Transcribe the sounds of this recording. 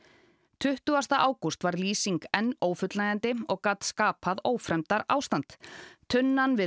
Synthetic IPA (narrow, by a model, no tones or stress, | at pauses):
t̪ʰʏht̪ʏast̪aʔaːwkust̪vaɾliːsiŋkɛnːoːwfʏt̪lajɣant̪ɪɔɣkaːt̪skaːpʰaðoːwfɾɛmt̪aɾa̰ːwst̪ant̪t̪ʰʏnːanvɪ